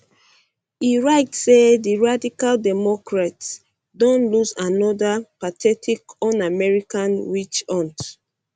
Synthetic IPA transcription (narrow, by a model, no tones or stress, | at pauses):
iɹaɪtsediɹadikaldɛmɔkɹats | dɔ̃nluzanɔdapatʰɛtʰikɔ̃namɛɹikãnɹit͡ʃɔ̃nt